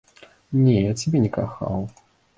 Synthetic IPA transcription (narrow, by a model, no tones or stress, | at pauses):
nʲɛjat͡sʲabʲɛnʲɛkaxa̰w